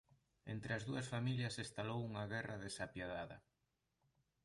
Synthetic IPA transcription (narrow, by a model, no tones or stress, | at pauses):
ent̪ɾɪɐzðuɐsfamiʎɐsest̪alowuŋaɣɛrɐðesapjaðaðɐ